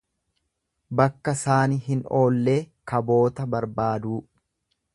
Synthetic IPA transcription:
bɐkːɐsaːniɦɪno̞ːlːe̞ːkɐbo̞ːt̪ɐbɐɾbaːd̪uː

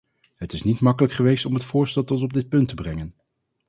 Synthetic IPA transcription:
ɦətɪsnitmɑkələkχəʋejstɔmətfʊːɹstɛlˠtɔtɔb̚dɪt̚pɵntəbrɛŋən

